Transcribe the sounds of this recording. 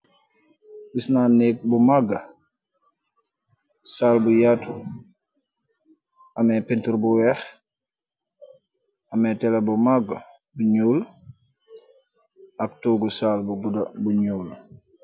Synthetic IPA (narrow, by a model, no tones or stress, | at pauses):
isnaneːk̚bumaɡa | saːlbujatʰu | amɛpintuɾbuwɛx | amɛtɛlebumaɡa | buɲuːl | aktuːɡusaːlbuɡudabuɲuːl